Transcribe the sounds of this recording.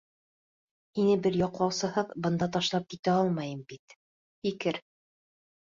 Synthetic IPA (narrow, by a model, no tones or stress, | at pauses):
hinɘbɘɾjɒqlˠɑwsɤ̆hɤðbɤ̆nd̪ɑt̪ɑʃlˠɑp̚kit̪æɒlˠmɑjɤmbit̪ | fikɘɾ